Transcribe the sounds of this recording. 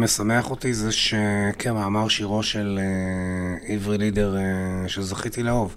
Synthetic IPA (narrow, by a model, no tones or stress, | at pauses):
mesameaχot̪izeʃekʰemaːmaʁʃiʁo̞ʃele | ivʁilid̪eʁʃezaχit̪ileo̞v